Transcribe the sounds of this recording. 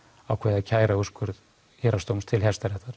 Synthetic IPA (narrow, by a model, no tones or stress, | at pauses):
awkʰvɛːðacʰaːjɾauskʏɾð | hɛːɾast̪owmst̪ʰɪlhɛst̪aɾɛht̪aɾ̥